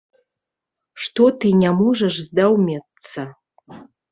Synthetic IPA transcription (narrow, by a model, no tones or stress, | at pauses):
ʂt̪ot̪ɨnʲamoʐɐʂzd̪awmʲet̪t͡sːɐ